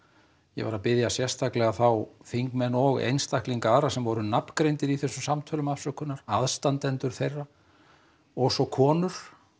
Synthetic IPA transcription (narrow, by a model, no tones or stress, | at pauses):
jɛ̰ɣvaɾapɪðjasjɛr̥st̪θaklɛɣaθawfiŋkmɛnːɔɣḛjnst̪ahkliŋkaaːɾasɛmvɔɾʏnapnkɾejnt̪ɪɾiθɛsːʏmsamt̪ʰœːlʏmafsœkʰʏnːaɾaðst̪ant̪ɛnt̪ʏɾ̥θejrːa | ɔsɔkʰɔːnʏɾ̥